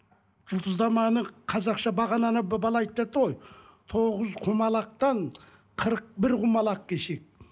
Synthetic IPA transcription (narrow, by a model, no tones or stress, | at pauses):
ʒ̥ʊlˠd̪əzd̪ɑmɑnəqʰɑzɑqʃɑbɑʁɑnɑnɑbbɑlˠɑːjt̪̚p̪et̪əʁojt̪ʰo̞ʁəzqʰumɑlˠɑq̚t̪ɑn | qʰəɾəq̚bɪɾʁumɑlˠɑqkʲʰeʃek̚